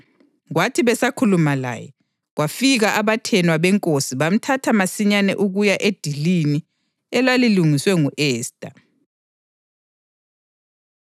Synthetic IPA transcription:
ɣwatʰiβɛsakʰulumala̰ːjɛ | ɣwafiɣaʔaβatʰɛnwaβɛŋkʼosiβam̩tʰatʰamasiɲanɛ̰ʔuɣujaʔed̥ʱilini | ɛlaliluŋiswɛŋuʔɛːstʼa

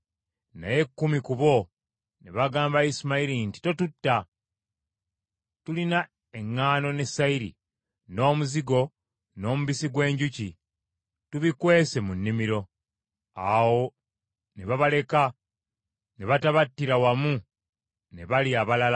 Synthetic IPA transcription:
na̰je̞kːumikuβo̞ | neβaɡaːmbaismaiɾinti̥to̞tutːa | tulina | e̞ŋːaːno̞ne̞saiɾḭ | no̞ːmuziɡo̞ | no̞ːmuβisiɡwe̞ːɲɟuci | tuβikwe̞ːse̞munːimiɾo̞ | awo̞ | neβaβale̞ka | neβataβatːiɾawamu | ne̞̰βaliaβalala

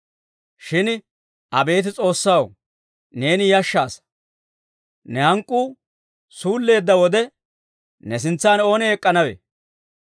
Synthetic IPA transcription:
ʃɪn | ɐbe̞ːt̪ɪt͡sʼo̞ːsːɐw | ne̞ːnɪjɐʃːaːs | nɛhɐŋkʼːuː | suːlːe̞ːd̪ːɐwɔd̪ɛ | nɛs̬ɪnt͡sːaːno̞ːnɛɛkʼːɐnɐwḛ

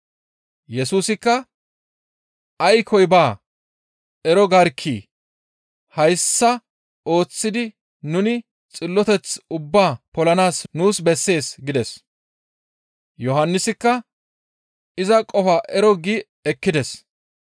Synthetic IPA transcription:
jɛsuːsɪkːɐ | ɐjkʰɔjbaː | ɛɾɔɡɐɾkʰːiː | hɐjsːɐ | o̞ːt͡sːɪd̪ɪ | nʊnɪ | t͡sʼɪlːɔt̪ɛt͡sʊbːaːpɔlɐnaːsnuːsbɛsːe̞ːsɡɪd̪ɛs | jɔɦɐnːɪsɪkːɐ | ɪzɐkʼɔfaːʔɛɾɔɡi | ɛkːɪd̪ɛs

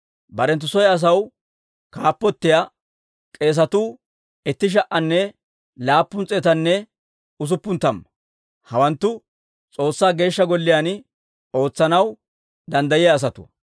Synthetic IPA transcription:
bɐɾɛnt̪̬ːʊsɔjɐs̬ɐw | kaːpːɔt̪ːɪja | kʼe̞ːs̬ɐt̪uː | ɛt̪ːɪʃ̬ɐʔɐnːɛ | laːpːʊnt͡sʼeːt̪ɐnːɛ | ʊs̬ʊpːʊnt̪ːɐm | hɐwɐnt̪ːʊ | t͡sʼo̞ːsːaːɡe̞ːʃːɐɡɔlːɪjaːn | o̞ːt͡sːɐnɐw | d̪ɐnd̪ɐjɪjaːs̬ɐt̪ʊ̰

